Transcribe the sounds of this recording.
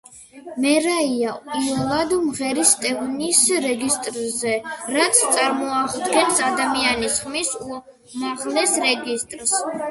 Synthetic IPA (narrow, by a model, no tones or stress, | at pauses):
mɛɾaiaiɛlˠad̪mʁɛɾist̪ʼɛvnisɾɛɡist̪ʼɾzɛɾat̪sʰt̪sʼaɾmɔaʁd̪ɡɛnsad̪amianisχmisu | maʁlɛsɾɛɡist̪ʼɾs